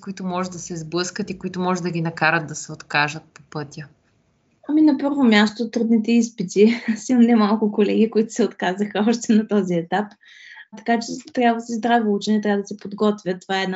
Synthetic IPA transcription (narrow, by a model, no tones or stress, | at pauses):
koit̪ʊmɔʒɛd̪ɐsɛzblˠɤskət̪ikoit̪ʊmɔʒɛd̪ɐɡʲinɐkaɾəd̪̚d̪ɐsɛot̪kaʒət̪̚po̥pɤt̪ʲjə | ɐminɐpɤɾvomʲjast̪ot̪ːɾud̪nit̪ɛispit̪isimɐmnɛmalˠkʊkolɛɡ̟ikoit̪ʊ̥sɛot̪kazəxəɔʃt̪ɛnɐt̪ɔziɛt̪ap | t̪ɐ̥kat͡ʃɛt̪ɾʲjabvəsɛzd̪ɾavout͡ʃɛnɛt̪ɾʲavəd̪ɐsɛpod̪ɡɔt̪vʲjət̪ovaɛːd̪na